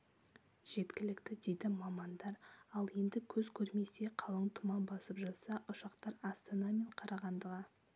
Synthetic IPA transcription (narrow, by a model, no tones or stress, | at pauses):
ʒ̥e̞t̪kʲɪlɪkt̪ɪd̪e̞jd̪ɪmɑmɑnd̪ɑɾɑlˠje̞nd̪ɪkʲʰɵzkʲʰɵɾme̞se̞qʰɑlˠəɴt̪ʰʊmɑmbɑsəpʒɑt̪sɑʔʊʃɑqt̪ɑɾɑst̪ɑnɑme̞ɴqʰɑɾʔɑʁɑnd̪əʁɑ